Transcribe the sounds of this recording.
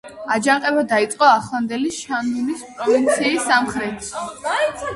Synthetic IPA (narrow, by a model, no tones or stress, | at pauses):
ad͡ʒaŋqʼɛbad̪ait̪sʼqʼɔaχlˠand̪ɛlisʃanulispʼɾɔvint̪sʰiːsːamχɾɛt̪ʰʃi